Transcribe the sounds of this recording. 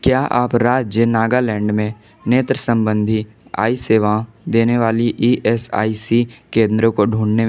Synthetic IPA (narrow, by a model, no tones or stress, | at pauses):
kjaːʔaːpɾaːd͡ʒjənaːɡalɛ̃ːɳɖmẽ | neːt̪ɾəsə̃mbə̃nd̪ʱi | a̰ːiseːʋaãd̪eːneʋaːliʔiːʔɛsa̰ːisikẽːnd̪ɾõkoɖʱũːɳne